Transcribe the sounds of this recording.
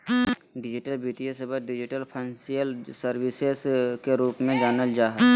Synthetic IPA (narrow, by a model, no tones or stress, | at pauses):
ɖɪd͡ʒɪʈəlbiːʈijesebəɖɪd͡ʒɪʈəlpʰənsijəlsəɾwɪseskeɾuːpmẽd͡ʒaːnəld͡ʒaːɦɛ